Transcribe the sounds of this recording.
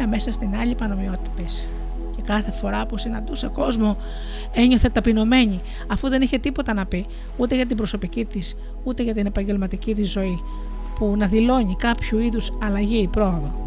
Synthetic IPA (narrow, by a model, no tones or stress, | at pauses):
ɐme̞sɐst̪inɐʎipɐno̞mio̞t̪i̥t̪e̞s | ce̞kɐθe̞fo̞ɾɐposenɐnd̪useko̞zmo̞ | e̞ɲo̞θe̞t̪ɐpino̞me̞ɲi | ɐfuðe̞niçe̞t̪ipo̞t̪ɐnɐpi | ut̪e̞ʝɐt̪̬ibɾo̞so̞picit̪is | ut̪e̞ʝɐt̪̬ine̞pɐɲɟe̞lmɐt̪icit̪̬izːo̞i | punɐðilo̞ɲikɐpçuiðusɐlɐʝiːpɾo̞oðo̞